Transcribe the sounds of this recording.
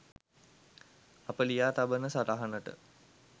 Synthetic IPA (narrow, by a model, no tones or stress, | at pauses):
apəlijaːt̪abənəsat̪aɦanəʈə̰